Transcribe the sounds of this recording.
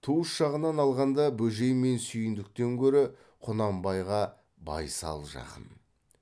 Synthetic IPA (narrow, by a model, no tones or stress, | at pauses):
t̪ʰuəsʒ̥ɑʁənɑnɑlˠʁɑnd̪ɑbɵʒe̞jme̞nsʏjɪnd̪ɪk̚t̪e̞ŋkʲʰɵɾɪ | qʰʊnɑmbɑjʁɑ | bɑ̰jsɑ̰lˠʒɑ̰qə̰n